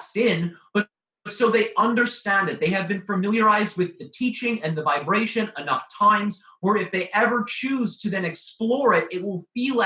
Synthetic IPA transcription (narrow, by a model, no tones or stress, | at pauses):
sɪ̃nb̥ʌ | ʌtsoʊðeɪʔʌ̃ndə˞stæ̃ndɨt̪̚ðeɪɨvbɨ̃nfəmɪlˠjə˞aɪzd̚wɨðɨtʰit͡ʃɪ̃ŋɨ̃nðɨvaɪbɹeɪʃɨ̃nənʌftʰãɪ̃mz | wə˞ɨfðeɪʔɛvə˞t͡ʃʰʉz̥tʰɨðɨ̃nɨksplɔɹɪɾɪt̚wɪlˠfilˠ